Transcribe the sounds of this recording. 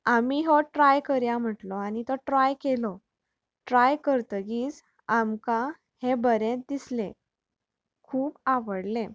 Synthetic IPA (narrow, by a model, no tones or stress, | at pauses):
amiɦɔʈɾajkəɾjam̤əʈlɔañit̪ɔʈɾajkelɔ | ʈɾajkəɾt̪ɡiːt͡s | amka | hebəɾẽt̪d̪islẽ | kʰuːpaʋəɽlẽ